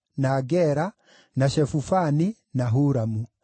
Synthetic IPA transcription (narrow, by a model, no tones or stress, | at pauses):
naːɡɛɾa | naʃɛfufani | naɦuɾamu